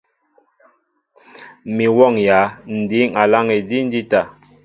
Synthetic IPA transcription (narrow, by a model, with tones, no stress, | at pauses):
mi˨wɔ˦˨ŋja˨˦n̩˨di˨˦ŋa˨la˦ŋe˨di˦n̩˦di˦ta˨